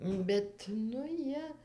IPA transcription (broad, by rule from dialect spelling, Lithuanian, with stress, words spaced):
ˈbʲɛt nʊ ˈjiɛ